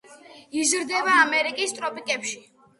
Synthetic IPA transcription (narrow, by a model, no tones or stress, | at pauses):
izɾd̪ɛvaːmɛɾikʼist̪ʼɾɔpʼikʼɛpʃi